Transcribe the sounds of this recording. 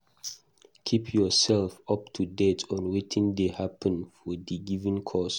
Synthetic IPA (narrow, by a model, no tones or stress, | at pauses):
kʰipʰjɔsɛlfɔp̚tʰudɛtʰɔ̃nwetʰĩŋdehapʰə̃nfɔdiɡivĩŋkʰɔs